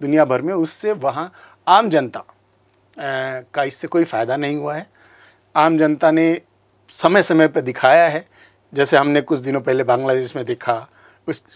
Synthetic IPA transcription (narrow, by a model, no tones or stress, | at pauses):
d̪ʊnijabʱɐɾmẽʊsːeʋɐɦã | aːmd͡ʒɐnt̪a | kaɪsːekoːifaːjd̪anɐɦĩɦuaɦɛː | aːmd͡ʒɐnt̪ane | sɐməjsɐməjpɐd̪ɪkʰaːjaɦɛː | d͡ʒɛːseɦɐmnekʊt͡ʃʰd̪ɪnõpɛɦlebãːŋɡlad̪eːʃmẽd̪eːkʰa | ʊs